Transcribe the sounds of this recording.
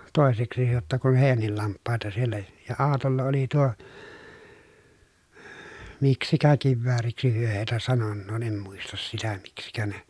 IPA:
toˑeseksi jotːɑ kun heˑi̯jænːil lɑmpːɑˑetɑ sielːæ jɑ ɑːtolːɑ oli tuo miksikæ kiʋːæːriksi hyø heˑitæ sɑnonːoː em muistɑs sitæ miksikæ ne

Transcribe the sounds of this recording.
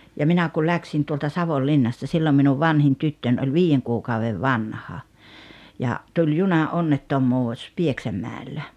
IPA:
jɑ minæ kyl læksin tuoltɑ sɑʋolːinːɑstɑ silːom minuʋ ʋɑnhin tytːønʲ olʲ ʋiːjeŋ kuːkɑuʋeʋ ʋɑnhɑ jɑ tulʲ junɑʔonːetːomˑuːs pieksæmˑæˑelːæ

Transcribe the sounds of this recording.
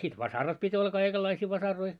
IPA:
sit ʋɑsɑrɑt pitʲ olːɑ kɑikelːɑisiː ʋɑsɑroi

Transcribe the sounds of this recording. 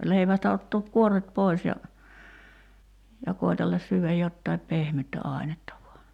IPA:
leiʋæstæ otːoːk kuorˑet poi̞s jɑ jɑ koitelːɑs syːʋæj jotːɑip pehmytːæ ɑˑi̞netːɑ ʋuɑ

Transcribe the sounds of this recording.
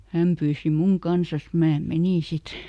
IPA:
hæm pyːsi muŋ kɑnsɑs mæː meniˑn sit

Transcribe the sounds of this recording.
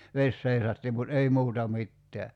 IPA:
ʋes seisɑtːi mut ei muːtɑ mitːeæ

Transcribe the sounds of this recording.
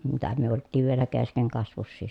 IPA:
mitæ myø oltːiːʋ ʋielæ keskeŋkɑsʋusːiː

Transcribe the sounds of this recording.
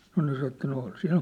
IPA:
nŏ nĕ sɑ etːæ no ol sinæ

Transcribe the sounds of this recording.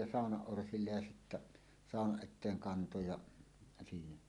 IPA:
jɑ sɑˑonɑʔ ʔorsilːej jɑ sitːæ sɑˑonɑʔ ʔetˑeːŋ kɑnto jɑ siːnæ

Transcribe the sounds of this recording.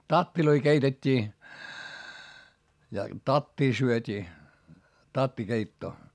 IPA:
tɑtːiloi keitetʲːiː jɑ tɑtːiː syøtʲiː tɑtːikeitːoː

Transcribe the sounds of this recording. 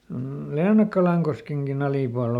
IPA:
m̩ leːnɑkːɑlɑŋkoskeŋkin ɑliˑpuɑl

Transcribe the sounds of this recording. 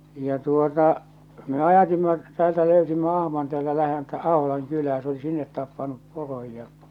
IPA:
jɑ tuotɑ me ɑjɑtimːɑ tæːltæ løˑysimːæ ɑhmɑn teæːltæ læheltæ ɑholɑŋ kylæː se oli sinːet tɑpːɑnup poroj jɑ

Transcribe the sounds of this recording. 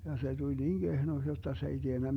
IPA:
jɑ se tulʲ niːŋ ɡ̊ehnoks jotːɑ se ei tienːæ

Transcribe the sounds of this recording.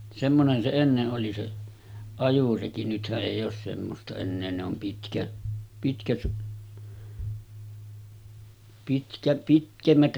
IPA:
semːonen se enːeʔ ʔoli se ɑjureki nythæʔ ʔeˑijˑ oːs semːostɑ enːeː ne om pitkæ pitkæt pitkæ pitkemːæt

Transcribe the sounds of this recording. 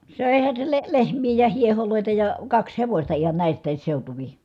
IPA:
søˑehæn̞ se le lehmˑiː jɑ hieholoˑi̯tɑ jɑ kɑks heʋosʲtɑ ihɑn næˑistˑæːs seutuʋi

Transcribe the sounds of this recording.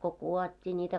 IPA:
ko kuˑotʲːiː nʲiːtæ

